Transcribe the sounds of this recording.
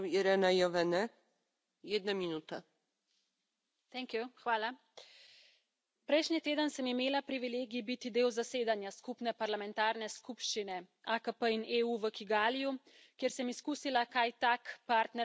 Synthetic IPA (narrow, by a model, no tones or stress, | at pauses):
iɾɛnajɔvɛnɛ | jɛd̪naminut̪a | t̪ɛŋkjuxʋaːla | pɾɛjʃnit̪eːd̪ənsəmimeːlapɾiʋileːɡibit̪id̪eːwzaseːd̪anjaskupnɛpaɾlamɛnt̪aːɾnɛskupʃt͡ʃinɛ | akəpəineːuʋəkiɡaːliju | kjeɾsɛmiskuːsilakajt̪aːkpaːɾt̪nɛ